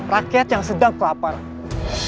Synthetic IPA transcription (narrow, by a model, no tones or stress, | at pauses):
rakɛt̪̚jaŋsədaŋkəapar